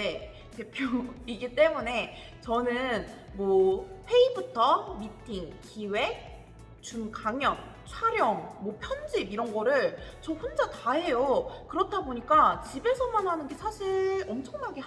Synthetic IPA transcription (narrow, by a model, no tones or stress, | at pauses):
e | te̞pʰjoiɡit͈e̞mune̞ | t͡ɕʌnɯn | mwʌɸʰe̞ibutʰʌmitʰiŋkiwe̞ | t͡ɕumkaŋjʌŋ | t͡ɕʰwaɾjʌŋmwʌpʰjʌnd͡ʑibiɾʌnɡʌɾɯɭt͡ɕʌɸond͡ʑataɦe̞jokɯɾʌtʰaboɲik͈at͡ɕibe̞sʰʌmanɦanɯnɡe̞sʰaɕʰiɾʌmt͡ɕʰʌŋnaɡe